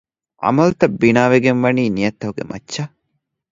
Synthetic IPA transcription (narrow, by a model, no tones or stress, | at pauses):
ɐ̰mɐlut̪ɐbːinaːʋeɡenʋɐniːnijɐt̪ːɐɦuɡḛmɐ̰ːʃɐ